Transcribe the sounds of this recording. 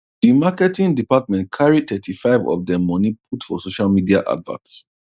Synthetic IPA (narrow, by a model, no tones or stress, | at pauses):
d̥imakɛtĩŋdipat̚mɛ̃nt̚kʰaɹitʰɛtʰifaɪvɔ̰vdɛ̃mːɔnip̚ʰutfɔ̰soʃalmidia̰ʔa̰dvã̰nts